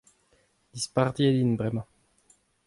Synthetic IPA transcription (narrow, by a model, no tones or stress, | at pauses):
d̪ispaʁd̪jed̪inbʁɛmɑ̃